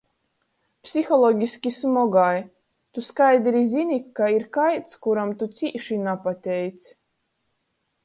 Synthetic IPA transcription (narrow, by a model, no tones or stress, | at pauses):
psʲixɔlˠɔɡʲisʲkʲismɔɡaj | t̪uskajd̪ɾizinikːaiɾkajt̪skuɾamt̪ut̪siːʃinapat̪ʲɛjt̪s